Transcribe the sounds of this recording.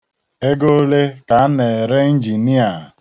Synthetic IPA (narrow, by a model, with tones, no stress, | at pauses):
e˦ɡo˦le˦ka˨˦ne˨ɾe˦n̩˦d͡ʒi˨ni˦a˨